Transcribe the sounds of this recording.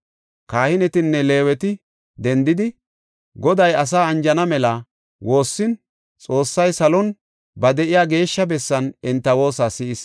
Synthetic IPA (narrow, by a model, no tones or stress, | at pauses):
kaːhɪnɛt̪ɪnːɛle̞ːwɛt̪ɪ | d̪ɛnd̪ɪd̪ɪ | ɡɔd̪ɐjɐs̬aːɐnd͡ʒɐnɐmɛlɐ | wo̞ːsːɪn | t͡sʼo̞ːsːɐjsɐlɔn | bɐd̪ɛʔɪjaːɡe̞ːʃːɐbɛsːɐnɪnt̪ːɐwo̞ːsaːsɪɪs